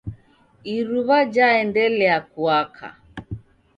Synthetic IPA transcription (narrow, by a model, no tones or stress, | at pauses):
iɾuβad͡ʒaɛndɛlɛakuakʰa̰